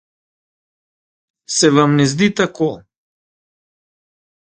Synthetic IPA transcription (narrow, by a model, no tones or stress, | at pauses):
sɛvamnɛzd̪it̪ako